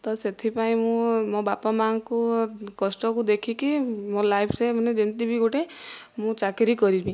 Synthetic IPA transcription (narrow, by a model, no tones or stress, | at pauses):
t̪ɔset̪ʰipaĩmũmõbapamaŋkukɔsʈɔkud̪ekʰikimõlajpʰsemɔned͡ʒent̪ibiɡuʈe | mũt͡ʃakɾikɔɾibi